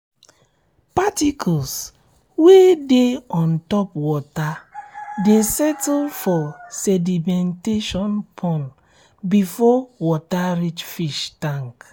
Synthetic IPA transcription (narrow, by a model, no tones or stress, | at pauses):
patikʰɔls | wedeɔ̃ntɔpwɔtadesɛtlfɔsɛdimɛ̃nteʃɔ̃npʰɔ̃n | bifɔwɔtaɹit͡ʃfiʃtãŋk